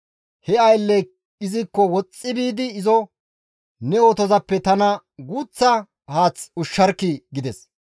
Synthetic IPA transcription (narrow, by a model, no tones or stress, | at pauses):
hɛɐjlːɛ | ɪzɪkːɔwɔt͡sʼːɪbiːd̪ɪːzɔ | nɛoːt̪ɔzɐpːɛt̪ɐnɐ | ɡuːt͡sːɐ | haːt͡sʊʃːɐɾkːɪɡɪd̪ɛs